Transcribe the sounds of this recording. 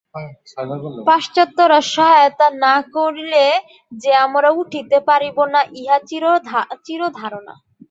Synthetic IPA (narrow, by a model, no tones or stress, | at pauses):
paʃt͡ɕɔt̪ːoɾaʃɔɦajot̪anakoɾile | d͡ʑeamɾauʈʰit̪epaɾibonaʔiɦat͡ɕiɾot͡ɕiɾod̪ʱaɾona̰